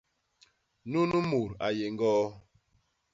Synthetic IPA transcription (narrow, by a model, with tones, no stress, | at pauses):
nu˦nu˦mu˨ɾa̰˨je˨ŋ˦ɡɔː˦